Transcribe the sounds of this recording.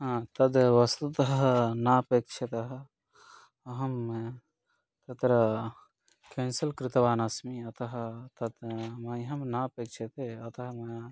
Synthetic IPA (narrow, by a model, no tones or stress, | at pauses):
ɦãt̪ɐd̪ʋɐst̪ut̪ɐɦnapek̚t͡ʃʰet̪ɐɦ | ɦɐm | t̪ɐt̪ɾɐ | kensɐlkɾit̪ɐʋaːnasmiɐt̪ɐɦt̪ɐd̪mɐjɦɐmnapek̚t͡ʃʰet̪eɐt̪ɐɦmɐj